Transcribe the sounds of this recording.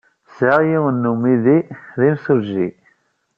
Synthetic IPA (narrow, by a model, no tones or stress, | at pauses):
saʁjiwənːumiðiðimsuʒḭ